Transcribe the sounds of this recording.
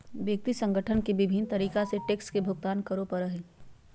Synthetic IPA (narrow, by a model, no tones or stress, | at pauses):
ʋjək̚t̪isə̃ŋɡəʈʰənkeʋɪbʱɪnt̪ɐɾiːkaseʈeːkskebʱʊɡ̚t̪aːnkəɾopəɾɐɦe